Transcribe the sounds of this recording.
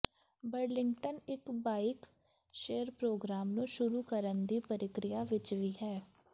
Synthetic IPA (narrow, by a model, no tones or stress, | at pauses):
bəɾlɪ̃ŋɡʈənɪkbaːɪk | ʃeːəɾpɾoːɡɾaːmnũːʃʊɾuːkəɾənd̪iːpəɾɪkɾɪjaːʋɪt͡ʃʋiːɦɛː